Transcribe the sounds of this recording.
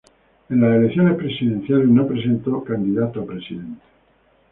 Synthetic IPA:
ẽnlaselekθjo̞ne̞spɾesiðe̞n̟θjaleznopɾe̞s̬ẽ̞nt̪okand̪iðat̪oapɾe̞siðe̞nt̪e̥

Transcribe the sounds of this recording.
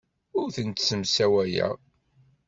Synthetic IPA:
ʊɾθənt̪səmsæwæjæ̰

